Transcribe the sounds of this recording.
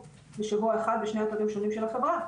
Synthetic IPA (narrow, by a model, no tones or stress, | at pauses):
beʃavuaeχad̪beʃne̞at̪aʁimʃo̞nimʃelaχevʁa